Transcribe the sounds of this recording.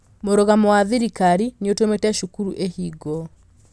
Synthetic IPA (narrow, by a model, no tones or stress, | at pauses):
moɾoɣamɔwaðiɾikaɾineotometɛʃukuɾuʔehiɡɔ